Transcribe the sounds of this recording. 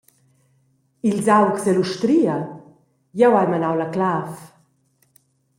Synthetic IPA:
ilzawksɛluʃt̪ɾiːa | jawajmanawlaklaf

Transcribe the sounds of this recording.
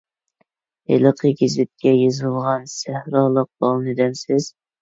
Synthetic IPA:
helˠɨqʰəɡʲizvɪt̪̚kʲɛjizɨlˠʁɑnsæhɾɑːlˠəq̚b̥ɑlˠnɨd̪ɛmsɪz̥

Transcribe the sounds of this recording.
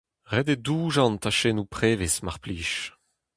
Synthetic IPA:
ʁɛdeduːʒɑ̃ntaʃenupχeːvesmaʁpliːʃ

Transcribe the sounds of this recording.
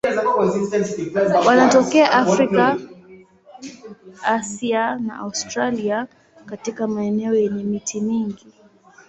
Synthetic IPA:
zawaziɛiɛwanatɔkɛaʔafɾika | asiana̰ʔa̰ustɾalia | katikamaɛnɛɔjɛɲɛmitʰimiŋɡi

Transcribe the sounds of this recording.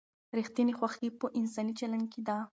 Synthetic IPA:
ɾixt̪janexwaxipəʔɪnsɑnit͡ʃalanɡked̪a

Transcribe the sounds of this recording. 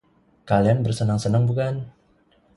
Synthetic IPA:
kalianbərsənaŋsənaŋbukan

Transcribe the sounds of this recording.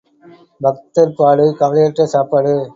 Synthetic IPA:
bʱɐk̚t̪ɐɾpaːɽɯkɐʋɐlɐjɐʈrɐsaːpaːɽɯ

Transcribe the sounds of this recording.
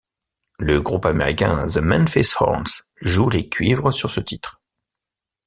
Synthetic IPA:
ləɡʁupameʁikʲɛ̰̃zəmɛ̃nfɛshɔ̰ʁns | ʒulekʲɥivʁəsyʁsət̪it̪χ

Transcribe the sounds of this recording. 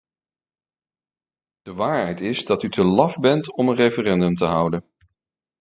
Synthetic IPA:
d̥əʋaːɹɦɛjtɪzdɑtytʰəlɑfbɛntɔmənrejfərɛndɵmtəɦʌwdən

